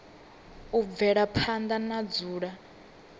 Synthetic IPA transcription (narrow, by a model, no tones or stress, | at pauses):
uvɛɺapʰand̪anad͡zuːɺa